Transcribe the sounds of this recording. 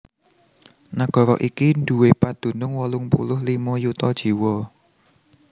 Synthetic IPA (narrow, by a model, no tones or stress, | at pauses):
naɡ̥ɔ̤ɾɔ̰ʔikind̪̥uwepad̪̥ṳnʊŋwɔlʊŋpṵlʊhlimɔjut̪ɔd̥ʒ̥i̤wɔ